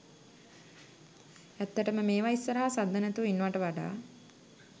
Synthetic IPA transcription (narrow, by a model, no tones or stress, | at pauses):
æt̪ːəʈəməmeːʋaisːəɾaɦasad̪ːənɛt̪uinːuʋaʈəʋaɖa̰ː